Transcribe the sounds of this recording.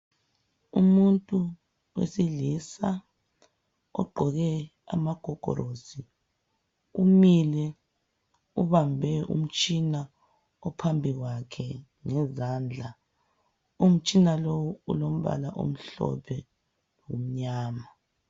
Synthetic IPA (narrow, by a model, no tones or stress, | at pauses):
ṵmuntʼu | wḛsiɮisa | ɔ̰ɡ͡ǃʱɔɣɛ | a̰maɡ̥ʱɔɡ̥ʱɔ̰ɾosi | umilɛ | uβambʱɛʔṵm̩t͡ʃʼina | ɔpʰambʱiɣwakʰɛ | ŋɛzand͡ɮʱa | um̩t͡ʃʼinalowuulom̩βa̰laʔo̰m̩ɬɔ̰pʰɛ | wom̩ɲaːma